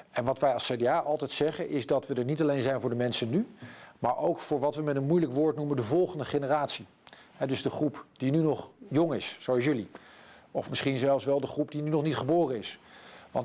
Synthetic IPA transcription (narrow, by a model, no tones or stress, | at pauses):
ɛnʋɑtʋɛjɑlˠsedeaːʔɑlˠtɛjtsɛχənʔɪzdɑtʋədəɹnitɑlejnzɛjnvʊːɹdəmɛnsənːymaːɹʔowkfʊːɹʋɑtʋəmɛtənmujləkʋʊːɹtnuməndəvɔlˠχəndəχenəraːtsi | ɦɛdɵzdəχrupd̥inynɔχjɔŋɪssowɑls̬jɵliɔ̰fmɪsχinzɛlˠfsʋɛlˠdəχrupdinynɔχnitχəboːrənɪsʋɑ̰nt